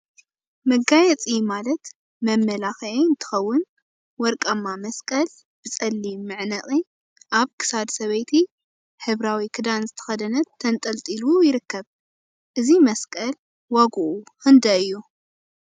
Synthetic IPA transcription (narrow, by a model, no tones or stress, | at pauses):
mɐɡajɛt͡sʼimalɐt̪ | mɐmːɐlaxʔeɨnt̪ʰɨ̥xɐwːʊn | wɔɾkʼɐmːamɐskʼɐl | b̥ɨt͡sʼɐlːimːɨʕnɐχʼi | ʔaβkʰɨ̥sad̪sɐβɐjt̪ʰi | ħɨβɾawikʰɨd̪anzɨt̪ʰɐ̥xɐd̪ɐnɐt̪ʰːɐnt̪ʼɐlt̪ʼilujɪɾɨkːɐβ | ʔɨzimɐskʼɐl | waɡuʔuxɨnd̪ɐɨjːu